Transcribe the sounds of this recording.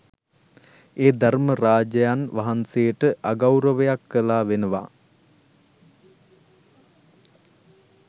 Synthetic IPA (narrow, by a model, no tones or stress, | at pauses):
eːd̪arməɾaːd͡ʒəjanʋaɦansejəʈəʔaɡawɾəʋəjakːəlaːʋenəʋa̰